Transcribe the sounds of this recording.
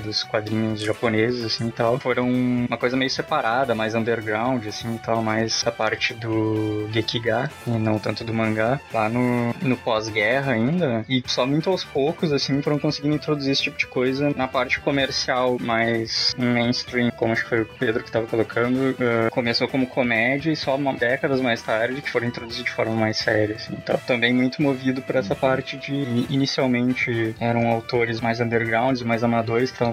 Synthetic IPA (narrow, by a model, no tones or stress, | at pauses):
d̪ʊskwad̪ɾĩɲʊzʒaponezɪzasĩɪt̪awfoɾɐ̃w̃ũmɐkojzɐmejʊsepaɾad̪ɐmajzɐ̃nd̪eɾɡɾãw̃d͡ʒɪasĩɪt̪awmajzd̪ɐpaɾt͡ʃɪd̪ʊɡekiɡaɪnɐ̃w̃t̪ɐ̃nt̪ʊd̪ʊmɐ̃ŋɡalanʊnʊpɔzɡɛɦɐaĩnd̪ɐɪsɔmũj̃t̪ʊawspowkʊzasĩfoɾɐ̃kõsɪɡĩd̪ʊĩt̪ɾod̪uziɾesɪ̥t͡ʃipʊd͡ʒɪkojzɐnɐpaɾt͡ʃɪ̥komeɾsiawmajsmẽj̃nst̪ɾĩmkõmʊaʃʊ̥kɪ̥fojʊped̪ɾʊkɪt̪avɐkolokʰɐ̃nd̪ʊɛkomesokõmʊkʰomɛd͡ʒiɐɪsɔmad̪ɛkɐd̪ɐzmajst̪aɾd͡ʒɪkɪ̥foɾ̃ĩt̪ɾod̪uzidʊd͡ʒɪfɔɾmɐmajsɛɾjɐsĩt̪ã̰t̪ɐ̃mbẽj̃mũj̃t̪ʊmovid̪ʊpʊɾɛsɐpaɾt͡ʃɪd͡ʒɪinisiawmẽnt͡ʃɪɛɾɐ̃w̃awt̪oɾɪzmajzɐ̃nd̪eɾɡɾãw̃d͡ʒɪzɪmajzamad̪oɾɪskɪt̪ɾɐ̃w̃